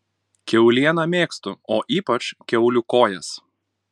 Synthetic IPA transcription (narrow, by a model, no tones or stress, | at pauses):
kʲɛʊlʲiɛnɐmʲeːkst̪ʊoːʔiːpɐt͡ʃkʲɛʊlʲʊkoːjɛs